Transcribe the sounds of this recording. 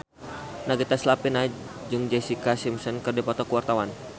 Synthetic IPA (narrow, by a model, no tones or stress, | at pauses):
naɡit̪aslapina | d͡ʒuŋd͡ʒasikasimsənkərdipɔt̪ɔkəwart̪awan